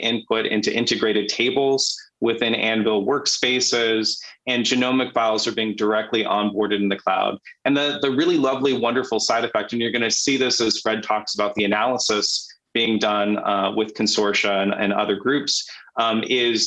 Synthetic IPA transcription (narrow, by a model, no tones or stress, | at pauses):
ʔɪ̃npʰʊɾɪ̰̃ntʉʔɪ̃ntɨɡɹeɪɾɨd̚tʰeɪbl̩ˠz̥ | wɪθɪ̃næ̃nvɪl̩ˠwɜ˞kspeɪsɪzɨ̃nd͡ʒɨnõʊ̃mɨkv̥aɪl̩ˠzə˞biɪ̃ŋdə˞ɛk̚tʰˡliʔə̃nbɔɹɾɨɾn̩ðɨkʰl̥a̰ʊd | ɨ̃nðɨðɨɹɪlˠilʌvliwʌ̃ndə˞fl̩ˠsaɪɾɨfɛk̚tɨ̃njə˞ɡʌñɨsiðɪsɨz̥fɹɛd̚tʰɔksəbaʊt̪̚ðiɨnælˠəsəs | b̥iɪ̃ŋdʌ̃nwɪð̥kʰn̩sɔɹʃɨ̃nɨ̰̃nʌ̰ðə˞ɡɹʉps | ɪz̥